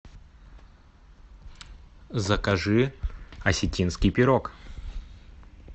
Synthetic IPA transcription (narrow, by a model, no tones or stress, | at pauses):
zəkɐʐɨɐsʲɪtʲinskʲɪjpʲɪɾok